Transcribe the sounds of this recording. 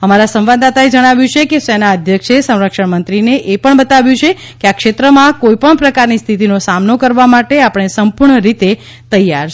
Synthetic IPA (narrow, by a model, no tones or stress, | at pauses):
əmaɾasə̃mʋad̪at̪aed͡ʒəɽ̃aʋjũt͡ʃʰekesenaəd̪ʱjəkʃesə̃w̃ɾəkʃəɳmənt̪ɾineʔepəɳbət̪aʋjũt͡ʃʰe | keakʃet̪ɾəmãkoipəɳpɾəkaɾnist̪ʰit̪inosamnokəɾʋamaʈeapəɳ̃esəmpuɾɳəɾit̪e | t̪əjːaɾt͡ʃ